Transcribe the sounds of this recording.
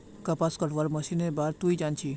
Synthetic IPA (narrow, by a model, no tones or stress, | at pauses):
kɐpaskəʈʰʋaɾməsinebaɾt̪uid͡ʒant͡ʃʰi